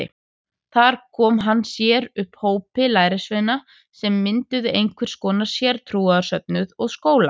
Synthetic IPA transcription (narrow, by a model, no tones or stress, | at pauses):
ɪ̰ | θaɾ̥kʰɔːmɦanːsjɛɾʏhphoːwpɪlaːjɾɪsvejna | sɛmːɪnt̪ʏðʏʔejŋkʰvɛɾ̥skɔːnḁsjɛɾ̥t̪ʰɾuːaðaɾsœp̚nʏðɔɣskoːwla